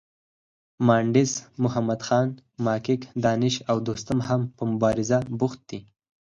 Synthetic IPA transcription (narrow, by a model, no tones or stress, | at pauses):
mɑːɳɖɪzmʊɦamad̪xɑːnmɑkɪkd̪ɑnɪʃawd̪ost̪amhampəmʊbɑɾɪzabʊxt̪̚d̪̥i